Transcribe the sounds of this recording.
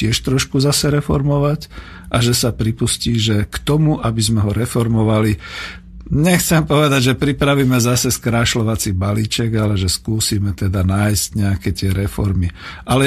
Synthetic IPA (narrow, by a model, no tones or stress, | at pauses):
ɪɛʃt̪ɾɔʃkuzasɛɾɛfɔɾmɔʋac | ʔaʒɛsapɾipusciːʒɛkt̪ɔmuʔabizmɛɦɔɾɛfɔɾmɔʋali | ɲɛxt͡sɛmpɔʋɛd̪aɟʒɛpɾipɾaʋiːmɛzasɛskɾaːʃlɔʋat͡sibaliːt͡ʃɛɡalɛʒɛskuːsiːmɛt̪ɛd̪anaːjscɲɛakɛt̪ɪɛɾɛfɔɾmiʔalɛ